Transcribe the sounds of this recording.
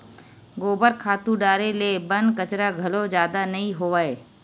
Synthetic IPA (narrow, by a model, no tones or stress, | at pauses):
ɡoːbəɾkʰaːt̪ũɖaːɾelebənkət͡ʃɾaɡʱɐlod͡ʒjaːd̪anɐɦĩɦoʋaːeː